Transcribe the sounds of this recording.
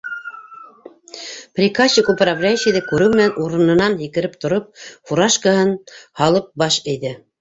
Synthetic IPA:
prʲikaɕikuprablʲæjʃiðɘkʉɾɘwmɘ̆nænʔuɾɤ̆nɤ̆nɑnɦikɘ̆ɾɘp̚t̪ŏɾɤp̚fuɾɑʃkəhɤnhɑlˠɤp̚bɑʃɘ̆jðɘ

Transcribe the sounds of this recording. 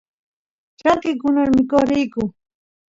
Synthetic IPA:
t͡ʃaŋkɪkʊnaɾmɪkoχɾɪjkʊ

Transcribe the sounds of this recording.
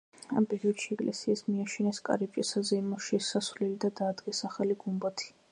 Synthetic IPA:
ampʼɛɾiɔd̪̥ʃiɛkʼlʔɛsiasmiaʃʰinɛskʼa̰ɾib̚ʼt͡ʃʼisazɛimɔʃiɛsasvlɛlid̪ad̪aːd̪ɡɛsaχaliɡumbat̪ʰi̥

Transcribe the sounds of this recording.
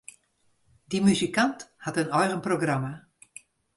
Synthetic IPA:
dimyzikanthatənɔjɣənproɡrama

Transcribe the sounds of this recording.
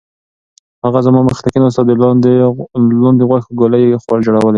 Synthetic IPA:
haɣazamɑmaxt̪akinas̬t̪ad̪eld̪lɑnd̪eɣwaxəɡolajexwɑld͡ʒoɽawəle

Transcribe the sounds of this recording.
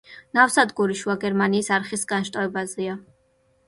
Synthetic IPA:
nafsad̪ɡuɾiʃuaɡɛɾmaniːsaɾχisɡanʃt̪ʼaɛbazɛa

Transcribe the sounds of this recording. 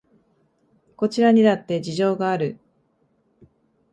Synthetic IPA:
ko̞t͡ɕiɾaɲ̟id̪at̪ːe̞d͡ʑiʑo̞ːɡaːɾɯ̟

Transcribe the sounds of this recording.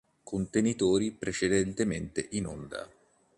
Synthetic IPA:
kʰont̪enit̪oːɾipɾet͡ʃed̪ɛnt̪ement̪ḛʔino̰nd̪a̰

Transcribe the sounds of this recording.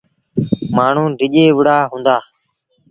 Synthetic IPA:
maːɳ̤ũːɖʱɪʄeːʋəɽaːɦũːnd̪aː

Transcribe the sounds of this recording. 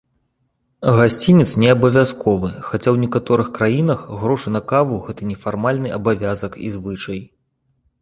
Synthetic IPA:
ɣasʲt͡sʲinʲɛt̪snʲɛɐbɐvʲaskɔvɨxat͡sʲawnʲɛkat̪ɔɾɨxkɾajin̪ɐxɣɾɔʂɨnɐkavuɣɛt̪ɐnʲɛfarmalʲnɨʔɐbavʲazɐkḭzvɨt͡ʂɐj

